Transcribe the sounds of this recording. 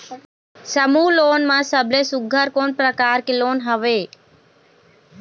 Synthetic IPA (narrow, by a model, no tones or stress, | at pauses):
səmuːloːnmãːsəblesʊɡʱəɾkoːnpɾəkaːɾkeloːnɦəʋeː